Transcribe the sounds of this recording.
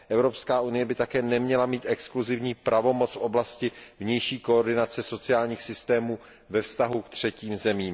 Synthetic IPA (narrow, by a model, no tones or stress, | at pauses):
ʔɛvɾopskaːʔunɪjɛbɪt̪akɛːnɛmɲɛlamiːt̪ʔɛkskluzɪvɲiːpɾʔavo̞mo̞t͡sfʔo̞blascɪvɲɛjʃiːkoordɪnat͡sɛso̞t͡sɪaːlɲiːxsɪst̪ɛːmuː | vɛfst̪aɦukt̪r̝̥ɛciːmzɛmiːm